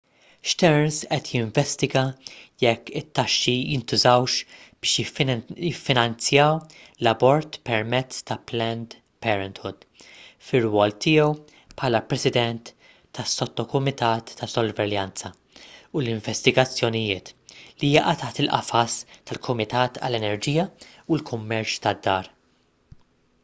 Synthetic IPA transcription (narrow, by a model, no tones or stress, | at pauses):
ʃt̪ɛɾnsʔɛt̪ʰjɪɱvɛst̪ɪɡɐjɛkːɪt̪ːɐʃːijɪnt̪ʊzɐwʃb̥ɪːʃjjɪfːɪnɐnt͡sjɐwlɐbɔɾt̪pɛɾmɛt͡sːt̪ɐplɛnd̪ | pɛːɾɛnt̪hʊd̪̥ | fɪrwɔːlt̪ɪːjɛw | pħɐːlɐpɾɛsɪd̪ɛnt̪ː | ɐsːɔt̪ːɔkʊmɪt̪ɐːt̪ʰːɐsɔlvɛljɐnt͡sɐ | ʊlɪɱvɛst̪ɪɡɐt͡sːjɔnɪjɪːt̪lijɐʔɐt̪ɐħt̪ɪlʔɐ̰fɐst̪ɐlkʰʊmɪt̪ɐːt̪ʰɐ̰lːɛnɛɾd͡ʒiːjɐ | ulkʰʊmːɛɾt͡ʃt̪ɐd̪ːɐːɾ